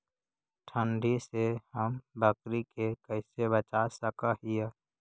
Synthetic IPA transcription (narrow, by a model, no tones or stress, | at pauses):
ʈʰəɳɖisehəmbəkɾikekəɪsebət͡ʃasəkaɦije